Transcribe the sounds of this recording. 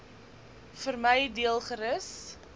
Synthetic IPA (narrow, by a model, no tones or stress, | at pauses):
fərməjdiəlˠχəɾəs